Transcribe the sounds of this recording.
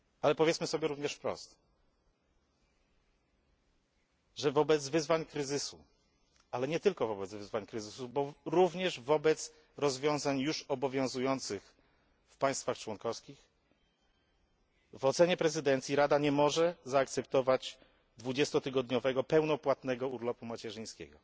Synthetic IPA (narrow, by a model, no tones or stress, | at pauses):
alɛpɔvʲjɛt̪smɘsɔbʲjɛɾuvɲɛʂfpɾɔ̰st̪ | ʐɛvɔbɛd̪zvɘzvaɲkɾɘzɘsu | alɛɲɛt̪ɘlkɔvɔbɛd̪zvɘzvaɲkɾɘzɘsubɔɾuvɲɛʐvɔbɛt̪s | ɾɔzvʲjɔ̃w̃zaɲjuʂɔbɔvʲjɔ̃zujɔnt̪sɘx | fpaj̃st̪faxt͡ʂwɔŋkɔfskʲix | vɔt̪sɛɲɛpɾɛzɘd̪ɛnt̪sʲjiɾad̪aɲɛmɔʐɛzaːk̚t̪sɛpt̪ɔvad͡ʑ | d̪vud͡ʑɛst̪ɔt̪ɘɡɔd̪ɲɔvɛɡɔpɛwnɔpwat̪nɛɡɔuɾlɔpumat͡ɕɛʐɘj̃skʲɛ̰ɡɔ